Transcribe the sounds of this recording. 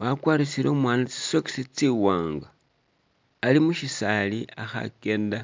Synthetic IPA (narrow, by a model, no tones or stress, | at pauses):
βakwaːɾisiɾo̞mwaːnat͡si̥soksit͡siwaːŋɡa | limuʃisaliaxa̰ke̞ːnda